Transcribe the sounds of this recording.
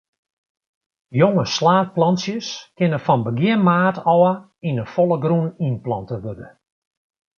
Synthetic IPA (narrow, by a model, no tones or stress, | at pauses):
joŋəslaːt̚plɑnsjəskɪnəfɔnbəɡjɪənmaːtɔə | inəfɔlˠəɡruninplɑntəʋødə̰